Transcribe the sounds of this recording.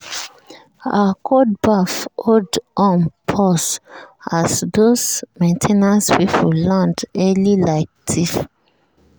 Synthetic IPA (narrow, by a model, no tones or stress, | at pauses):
akʰod̚bafʔodʔɔ̃npʰɔsasdosmẽntʰenaswit͡ʃwulãndɛlilaɪk̚tʰif